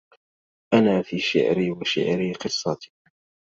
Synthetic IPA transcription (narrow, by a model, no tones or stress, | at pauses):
ʔanaːfiːʃɪ̰ʕɾiːwaʃɪ̰ʕɾiːqɨsˤːɑt̪i̥